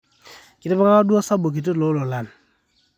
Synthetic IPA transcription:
ki˨te˦ba˦kaka˦du˦a˦sa˦bo˨k̬i˨t̬e˦˨lo˨˦lo˨la˨n

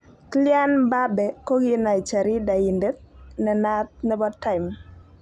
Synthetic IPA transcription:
klja˦nba˦bɛ˨ko˦ɡɪ˦na˨i˨t͡ʃa˨ɾi˦da˨i˨nde˦t̪̚nɛ˨na˦t̪̚nɛ˦bɔ˦tːa˦˨ɪ˨m

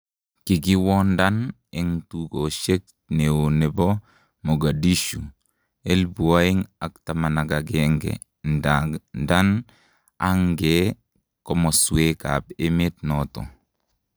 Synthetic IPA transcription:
ki˨ɡi˦wɔ˦nda˦n | e˨˦ŋtu˨ko˨ʃe˦k̚ | ne˨o˨ne˨bɔ˦ | mo˨ɡa˨di˦ʃu˨ | e˦lbu˨a˦i˦ŋa˨kta˨ma˨na˨ɡa˨ɡɛ˦ŋɡɛ̰˨ | nanda˦n | a˦ŋɡɛ˨ | kɔ˦mɔ˨swe˦ka̰˨be˦me˦t̚nɔ˨tɔ̰˨

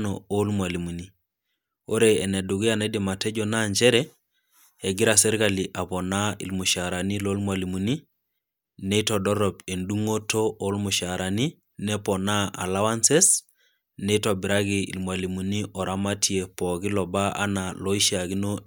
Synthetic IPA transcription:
nɔo˦lmwa˨li˨mu˨ni˦ | o˦ɾeː˨nɛ˨du˨ɣi˦a˨na˦de˨ma˨tɛ˦d͡ʒɔna˦ɲd͡ʒɛ˦ɾɛ | ɛ˨ɡi˦ɾa˨sɛ˦ɾka˨li˨ʔa˨pɔ˨na˦ḭ˨lmu˨ʃa˨ɾa˨ni˦lo˦lmwa˨li˨mu˨ni˦ | ne˦tɔ˨dɔ˦ɾɔpe˨ndu˦ŋo˦to˦ʔo˦lmu˨ʃa˨ɾa˨ni˦ | nɛ˦pɔ˨na˦a̰˨la˦wa˦nsɛ˦s | nɛ˦tɔbi˨ɾa˦ɣi˨ḭ˨lmwa˨li˨mu˨ni˦ʔɔ˨ɾa˦ma˦tʰie˨pɔ˨ɣi˦lɔ˨ba˦a̰˦na˨lɔ˦i˦ʃa˨ɣi˦no˦

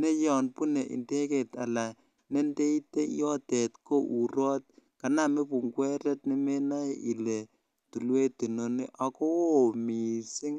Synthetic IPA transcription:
ne˦jɔ˨npu˦ne˨ʔḭ˨nde˦ke˨ta˨la˨ | ne˦nde˦i˦te˦jɔ˦te˨tko˦ʔu˨ɾɔ˦t̚ka˨na˦me˦pu˨ŋɡwɛ˦ɾɛ˦t̚ne˦me˦na˦ji˨le˨ | tu˨lwe˦tu˨no˨ne˦ʔa˨ko˦wo˨mi˨sɪ˦ŋ

